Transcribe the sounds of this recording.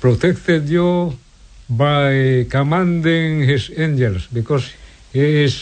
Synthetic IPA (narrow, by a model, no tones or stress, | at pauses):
pɾot̪ekt̪ed̪jo | baekamand̪eŋhesend͡ʒelsbekosi̥ | es